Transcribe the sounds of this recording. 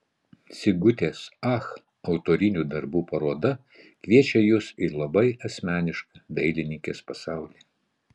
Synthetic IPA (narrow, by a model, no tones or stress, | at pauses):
sʲɪɡʊt̪ʲeːsɑx | ɒʊt̪oːɾʲɪnʲuːd̪ɐɾbuːpɐɾoːd̪ɐ | kʲʋʲiɛt͡ʃʲɛjʊsilˠɐbɐɪɐsʲmʲæːnʲɪʃkɐd̪ɐɪlʲɪnʲɪŋʲkʲeːspɐsɑˑʊlʲiː